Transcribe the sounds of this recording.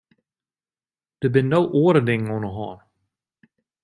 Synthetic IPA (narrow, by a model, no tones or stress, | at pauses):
d̥əbɪnnːowʔoːəɾədɪŋŋɔnəɦɔ̰ːn